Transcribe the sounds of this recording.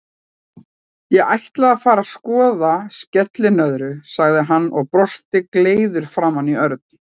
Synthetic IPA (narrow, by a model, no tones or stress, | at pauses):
jɛɣajht̪laðafaːɾaskɔːðascɛt̪lɪnœðɾʏsaɣðɪɦanːʔɔ̰ɣpɾɔst̪ɪkleːjðʏɾ̥fɾamanːiœɾt̪̚n